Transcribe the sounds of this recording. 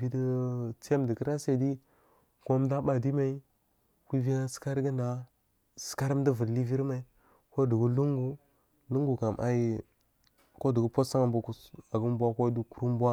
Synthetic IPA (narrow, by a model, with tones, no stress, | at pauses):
vi˦də˦t͡se˦mdə˨kə˦ɾa˦se˨di˦ | ko˦mda˦ɓa˨di˦ma˨i˦ | ku˦vi˦ŋa˦ska˦ɾɡə˦nda˨ | sə̥˨ka˦ɾm˦də˦və˨dli˦vi˦ɾma˨i˨ | ko˦də˨ɡu˦lu˦ŋɡu˦ | lu˦ŋɡu˨ka˨mʔa̰˦i˦ | ko˦də˨ɡu˦po˦sa˦ŋa˨mbo˨ka˨ɡə˦m˦bʷa˦ko˦du˨ku˨ɾu˦m˦bwa˦